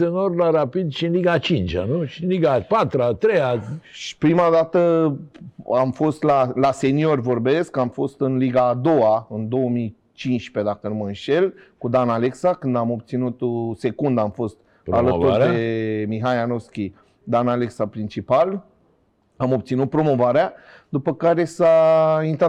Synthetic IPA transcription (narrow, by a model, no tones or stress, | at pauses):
enorlaɾapid̪ʃiɨnliɡat͡ʃint͡ʃa̰nuʃinliɡapat̪ɾat̪ɾejaʃi̥pɾimad̪at̪ə | amfo̞st̪lalase̞nio̞rʲvo̞rbe̞skamfo̞st̪ɨnliɡaːd̪o̞waɨnd̪o̞əmi | t͡ʃinʃpe̞d̪akəɨnmənʃe̞lkud̪anale̞ksakɨnd̪amo̞b̚t̪sinut̪se̞kund̪amfo̞st̪̚ | a̰lət̪urɾd̪e̞miɦajanoskʲi | d̪analeksapɾint͡ʃipal | amo̞b̚t̪sinut̪̚pɾo̞mo̞vaɾea | d̪upəkaɾe̞saint̪ɾa